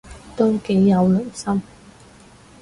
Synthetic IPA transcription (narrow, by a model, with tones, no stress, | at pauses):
t̪o˥wke˨˥jːɐ˨˧wlɵ˨˩nsɐ˥m